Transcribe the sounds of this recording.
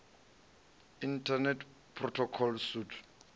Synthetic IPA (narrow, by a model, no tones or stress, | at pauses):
intʰanɛtʰ | pʰrɔtʰɔkʰɔlsutʰ